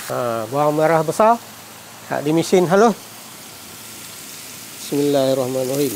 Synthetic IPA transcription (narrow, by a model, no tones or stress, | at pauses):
abuaŋmaɾahbəsar | ha̰ʔdimisɪnɦaloh | bismilːahirˤɑhmanwahim